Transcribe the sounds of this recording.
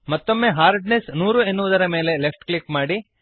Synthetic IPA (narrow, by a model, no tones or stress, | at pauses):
mɐt̪ːo̞mːe̞ɦaːɾɖnesnuːɾuenːuʋud̪ɐɾɐme̞ːle̞lepʈklikmaːɽi